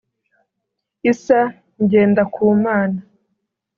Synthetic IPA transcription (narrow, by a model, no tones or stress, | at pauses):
isa | ɲɟe̞ːndakʰuːmaːna